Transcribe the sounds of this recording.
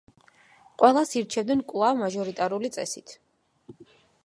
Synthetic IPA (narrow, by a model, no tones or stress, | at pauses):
qʼwɛlˠasiɾt͡ʃʰɛvd̪nɛnkʼwlˠavmaʒɔɾit̪ʼaɾulit̪sʼɛ̰sit̪ʰ